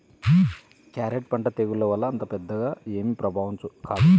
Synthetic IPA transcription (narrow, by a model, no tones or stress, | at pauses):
kaːɾeʈ̚pɐɳʈɐt̪eːɡulːoːʋɐlːɐːnt̪ɐpɛd̪ːɐɡaːe̞ːmipɾɐbʱaːʋunt͡ʃukaːd̪u